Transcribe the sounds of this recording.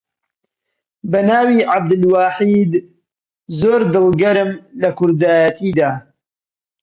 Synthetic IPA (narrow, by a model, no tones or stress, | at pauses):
bɐnaːwiːʕab̚d̪ɨlwaːħiːd̪ | zoːɾd̪ɨlˠɡɐɾɨmlɐkʰʊɾd̪aːjɐt̪ʰiːd̪aː